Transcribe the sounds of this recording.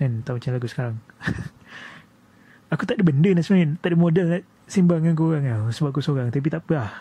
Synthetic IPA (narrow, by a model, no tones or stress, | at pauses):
nant̪aumat͡ʃanlaɡusə̥kaɾaŋ | akut̪aʔdəbəndənasmaint̪aʔdimodəlnaʔ | simbaŋank̬uɣaŋasəbap̚kusoɣaŋt̪ap̬it̪aʔpəah